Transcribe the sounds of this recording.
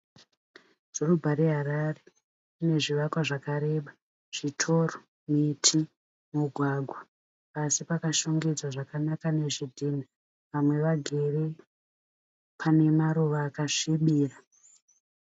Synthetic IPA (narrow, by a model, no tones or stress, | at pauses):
z̥orubʱaɾeɦaɾare | une̞ʐiʋakwaʐakaɾe̞ɓa | ʐ̥itʰo̞ːro | mitʰi | muɡʱwaɡʱwa | pasipakaʃoŋɡid͡zwaʐakanakane̞ʐidʱina | ʋamwe̞ʋaɡʱe̞ri | pʰane̞maɾuʋaːkaʂiɓiːra